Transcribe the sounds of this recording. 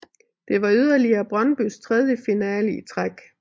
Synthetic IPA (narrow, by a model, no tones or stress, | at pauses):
d̥e̝ʋɑ̈yð̞̰ˠɐliɐːb̥ʁɶnb̥yst͡sʰʁɛð̞ˠjəfinɛːlit͡sʰʁaɡ̥